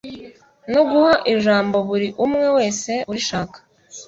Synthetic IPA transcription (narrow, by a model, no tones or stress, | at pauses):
no̞ɡuhaʔiʒaːmbo̞βuɾiʔumŋe̞we̞ːse̞uɾiʃaːkḁ